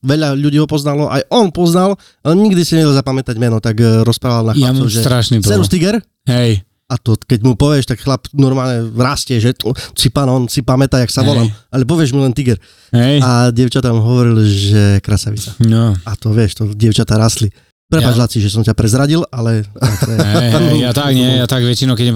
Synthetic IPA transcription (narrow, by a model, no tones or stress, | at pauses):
ʋɛʎaʎuɟiːɦɔpɔznalɔʔajʔɔnpɔznal | alɛɲiɡd̪isiɲɛɟɛlzapamɛt̪aɟmɛnɔt̪aɡɾɔspɾaːʋalnaxlat͡sɔʒɛt̪ɾaʃnipt͡sɛɾust̪iɡɛɾ | ɦɛj | at̪ɔkɛɟmupɔʋɪɛʃt̪akxlapnɔɾmaːlɲɛɾaːscɛʒɛsipanɔnsipamɛt̪ajaksaʋɔllamʔalɛp̬ɔʋɪɛʒmilɛnt̪iɡɛɾ | ɦɛjaɟɛʊt͡ʃat̪amɦɔʋɔɾilʒɛkɾasaʋit͡sanɔat̪ɔʋɪɛʃt̪ɔɟɪɛʊt͡ʃat̪aɾaːsli | pɾɛpat͡ʃlasiʒɛsɔmcapɾɛzɾaɟilalɛɛ | at̪akɲɛɛjat̪aɡʋɛt͡ʃinɔkɛ